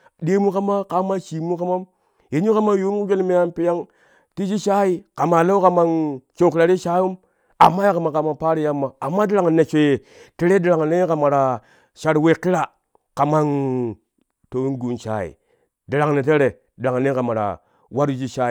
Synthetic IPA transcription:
ɗe˦mu˦ka˦ma˦ka˦ma˦t͡ʃi˨mu˦ka˦ma˦m | je˨˦u˦ka˦ma˦ju˦m˦ku˦ɡe˦n˦me˦ja˦mpi˨˦ja˦ŋ | ti˦d͡ʒi˦ʃa˦i˨ka˨ma˨la˦u˦ka˨ma˦nt͡ʃo˨kɾa˨ɾi˦ʃa˦ju˦m | a̰˨mːa˦ja˦ka˨ma˨ka˨ma˦pa˦ɾi˦ja˦mːa˨a˨mːa˦di˦ɾa˨ŋ˨ne˨t͡ʃʷe˨ | te˦ɾe˦di˨ɾa˨ŋ˨ne˦ka˨ma˨ɾa˨ | ʃa˦ɾwe˨ki˦ɾa˨ | ka˨ma˦n | to˨wi˦nɡu˨˦nʃa̰˦˨ḭ˨ | di˨ɾa˨ŋ˨ne˨te˦ɾe˨ | di˨ɾa˨ŋ˨ne˦ka˨ma˨ɾa̰˨ | wa˦ɾd͡ʒi˦ʃa˦˨

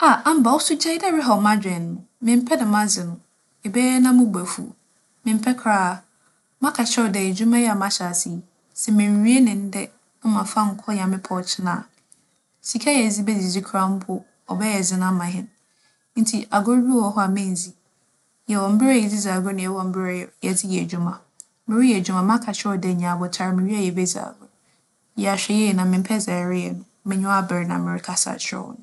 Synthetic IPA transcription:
a˨ʔa˦m̩˨ba˨wɔ˦sʊ˦d͡ʑɛ˦dɛ˦ɾɪ˦ɦɔ˨mã˦d͡ʑᶣɛ̃˨nː˨ʊ̃˨mɪ̃˨m̩˦pʰɛ˦dɛ˨mã˦zɪ˨nʊ̃˨ | ɛ˨bɛː˦ɛ˦nã˦mʊ̃˦bæ˨fṵ˨ | mɪ̃˨m̩˦pʰɛ˦kʰɾaː˨ | mã˦kʰa˨ɕɛ˦˨dɛ˨ɛ˨d͡ʑᶣu˦mã˦jɛ˦a˨mã˦ɕa˨si˨ | sɛ˨mɪ̃˨ɾi˦e˦nɪ̃˨n̩˦dɛ˦ | mã˨fã˦m̩˦kʰɔ˦jã˨mɪ̃˦pʰɔ˨t͡ɕʰɪ˦nã̰˨ | si˨kʰa˦jɛ˨d͡zi˦bɛ˦di˨d͡ʑi˦kʰɾa˦m̩˦pʰʊ˦ | ɔ˨bɛ˦jɛ˨d͡zɪ˦nã˦mã˨ɦɪ̃˦n | n̩˦tʰi˨ʔa˨ɡʊ˦ɾbi˦ɔ˨ɦɔ˦a˨mɪ̃˦˨n˨zi˦ | jɛ˨wɔ̃˨m̩˦bɪ˦ɾa˦jɛ˨d͡zi˦za˨ɡʊ˦nɪ̃˨jɛ˨wɔ̃˨m̩˦bɪ˦ɾa˦˨jɛ˨d͡zɪ˦jɛ˨æ˨d͡ʑu˦mã˨ | mɪ̃˨ɾi˦jɛ˨d͡ʑᶣu˦mã˨m˦ã˦kʰa˨t͡ɕʰᶣɪ˦ɔ˨dɛ˨ɲã˨bɔ˨tʰa˨ɾmɪ̃˨ɥi˦a˦jɛ˨bɛ˦za̰˨ɡʊ˦ | jɛ˨a˨ɕᶣɛ˨jɛ˦˨nã˨mɪ̃˨m̩˦pʰɛ˦za˨ɾɪ˦ɛ̰˨nʊ̃˨˦mɪ̃˨ɲʊ̃˦a˦˨bɪ˨ɾnã˨mɪ̃˨ɾɪ˦kʰa˦sa̰˨t͡ɕʰɪ˦ɔ̰˦wɔ̰˨nʊ̃˦

